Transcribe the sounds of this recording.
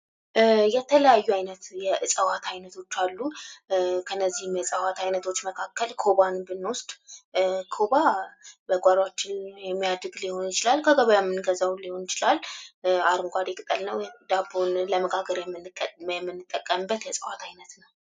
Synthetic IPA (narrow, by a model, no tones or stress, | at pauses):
jɛt̪ʰələjajːuajnət̪jɛɨsʼəwat̪ʰajnət̪ʰo̞t͡ʃːalːu | kʰənːəzːihɨmjɛsʼəwat̪ʰajnət̪ʰo̞t͡ʃːməkʰakːəlkʰoβanbɨnːoɔst̪ʼ | kʰoβabəɡʷaɾat͡ʃːɪnjɛmːijad̪ɨɡliho̞njɪt͡ʃɪlalkʰəɡəβəjamːɨnɡəzawliho̞njɪt͡ʃɪlalaɾɨmɡʷad̪ekʼɨt̪ʼəlnəwd̪abonləməɡaɡəɾjɛjɛmːɨnːɨt̪ʼːəkʼːəmɨbːət̪jɛsʼəwat̪ʰajnət̪nəw